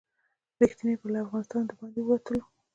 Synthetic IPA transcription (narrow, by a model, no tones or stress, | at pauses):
ɾixt̪inepəlaafɣɑnɪst̪ɑnd̪əbɑnd̪ewwat̪əlo